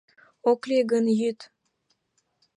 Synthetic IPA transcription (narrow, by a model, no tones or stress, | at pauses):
oklʲeɡənjyt̪